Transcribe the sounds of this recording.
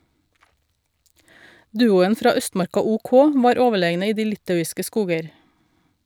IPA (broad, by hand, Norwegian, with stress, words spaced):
ˈdʉːʊən ˈfɾɑː ˈœstmɑɾkɑ ʊˈkɔ ˈʋɑːɾ ˈoːʋəˌɭeːɡnə ˈiː ˈdiː ˈlɪtɑʉɪskə ˈskuːɡəɾ